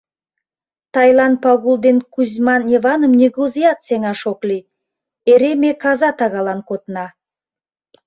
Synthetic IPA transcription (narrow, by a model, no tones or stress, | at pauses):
t̪ʰajlˠanpaɣulˠd̪enkʰuzʲmanːʲevanomnʲiɡuzijat̪seŋɑʃoklʲi | eɾemʲekʰazɑt̪ɑʁɑlˠɑnkot̪ənɑ